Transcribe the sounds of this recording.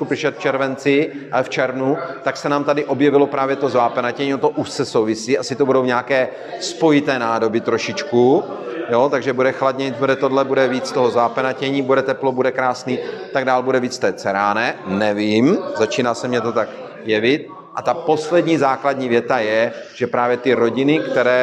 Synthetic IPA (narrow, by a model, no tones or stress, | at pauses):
kupɪʃɛt̪ft͡ʃɛɾvɛnt͡sɪft͡ʃɛɾnut̪aksɛnaːmt̪adɪʔo̞bjɛvɪlo̞pɾaːvjɛt̪o̞zvaːpɛnacɛɲiːot̪oʔuʃsɛso̞wvɪsiːʔasɪt̪obudo̞wɲaːkɛː | spo̞jɪt̪ɛːnaːdo̞bɪt̪ɾo̞ʃɪt͡ʃku | jo̞t̪aɡʒɛbudɛxladɲɛɲit̪̚budɛt̪o̞dlɛbudɛviːt͡st̪oɦozvaːpɛnacɛɲiːbudɛt̪ɛplo̞budɛkɾaːsniːt̪aɡdaːlbudɛviːt͡sft̪ɛːt͡sɛɾaːnɛnɛviːmzat͡ʃiːnaːsɛmɲɛt̪o̞t̪ak | jɛvɪt̪ | ʔat̪apo̞slɛdɲiːzaːkladɲiːvjɛt̪ajɛʒ̥ɛpɾaːvjɛt̪ɪɾo̞ɟɪnɪkt̪ɛɾɛː